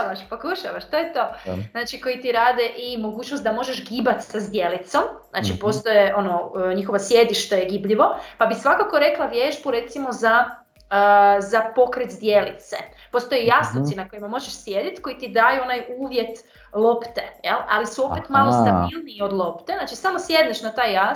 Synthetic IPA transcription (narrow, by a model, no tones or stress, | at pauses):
ʋaʃpokuʃaʋaʃt̪ojet̪o̞znaːt͡ʃiko̞jit̪iɾaːd̪e̞ʔimo̞ɡuːt͡ʃnost̪d̪amo̞ʒe̞ʃɡiːbat̪sazd̪je̞lit̪so̞mzna̰t͡ʃipo̞ːst̪o̞jeʔo̞noɲixo̞ʋasje̞d̪iʃt̪ojeɡibʎiʋo̞pabisʋakako̞ɾe̞klˠaʋjeʒbuɾe̞t̪simo̞za | əzapo̞kɾet̪zd̪je̞lit̪sḛ | po̞st̪ojejasnot̪sinako̞jimamo̞ʒeʃsje̞d̪jit̪ko̞it̪id̪aːjuonajuːʋje̞t̪ | lˠo̞pt̪ejḛla̰lisuo̞ppet̪malost̪abilˠniːo̞d̪lˠo̞pt̪eznaːt͡ʃisamosjed̪neʃnat̪aːja